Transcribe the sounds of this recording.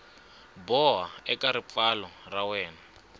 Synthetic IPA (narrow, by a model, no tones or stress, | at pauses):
bɔɦaɛkaɾip̪falɔrawɛːna